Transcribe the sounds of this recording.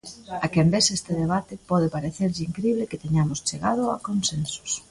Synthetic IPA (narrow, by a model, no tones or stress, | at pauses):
akɛmbesest̪ɪðeβat̪ɪpɔðepaɾeθeɾʝiŋkɾiβlɪkɪt̪eɲamʊst͡ʃeɣað̞ʊa̰konsensʊ̥s